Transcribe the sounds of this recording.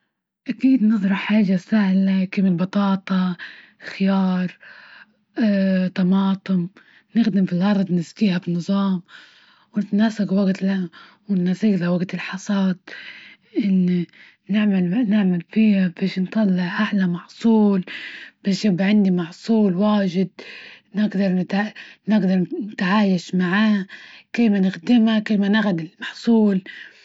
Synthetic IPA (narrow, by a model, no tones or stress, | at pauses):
ʔakiːd̪nɨzˤɾˤɑħħaːʒasahlakɪmɪlbɑt̪ˤɑːt̪ˤɑ | xɪjɑːɾˤ | t̪ɑmɑːt̪ˤɨm | nɪxd̪ɪmfilʔɑɾˤd̪ˤnɪzkiːhabɪnːɨzˤɑːm | wnɪt̪naːsaɡwaɡt̪la | wɪnːasiːɡlawaɡt̪ɪlħɑsˤɑːd̪̚ | ʔɪnː | nɪʕmalnɪʕmalfiːhabeːʃnt̪ˤɑlːɪʕʔaʕlamɑʕsˤuːlb̥aːʃjabːʕɪnd̪imɑʕsˤuːlwaːʒɪd̪̚nɪɡd̪ɑɾˤnɪt̪nɪɡd̪ɑɾˤnɪt̪ʕaːjaʃmaʕaːkɪːmanɪxd̪ɪmakɪlmanaɣad̪ɪlmɑħsˤuːl